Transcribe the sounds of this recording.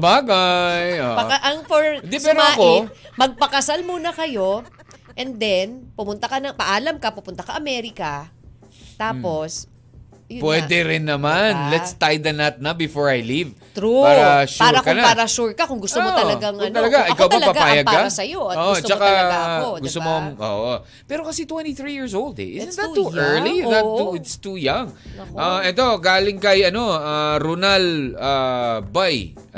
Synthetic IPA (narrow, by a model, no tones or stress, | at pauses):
ɐbaɡajopɐkɐʔɐŋfoɹɪnd̪ipɛːɾmoɐkomɐɡ̚pɐkɐsalmuːnɐkɐjo̞ʔɛnd̪ɛnpʊmʊnt̪ɐkɐnɐŋpɐʔaːlɐmkɐpʊpʊnt̪ɐsɐʔɐmɛɾɪkɐ | t̪aːpo̞s | jpwɛːd̪ɛɾɪnːɐmanlɛst̪ajd̪ɛnɐt̪̚nɐbɪfoɹɐjliv | t̪ɾupaːɾɐʃpuaɹɾɐkɐnaaːɾɐʃuɹkɐkʊŋɡʊst̪omot̪ɐlɐɡaŋnt̪ɐlɐɡaʔɪkawɐɐpɐɡpaːjɐɡkɐsɐjooʔot͡ʃɐkaɡʊsst̪omoʔo̰ːʔo | pɛːɾokɐsɛt̪wɛ̃nt̪iθɹijiɹsowld̪ɛ̰ʔɪzɪd̪ɐt̪ːuɛɹliðɐt̪ːuɪt̪st̪ujaŋʔaɛt̪o̞ɡaːlɪŋkɐjɐno̞aɾunɐlaːbaj